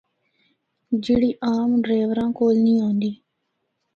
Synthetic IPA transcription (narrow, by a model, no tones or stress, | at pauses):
d͡ʒɪɽiːʔaːmɖɾeːʋɾãːkoːlnĩːɦõːnd̪iː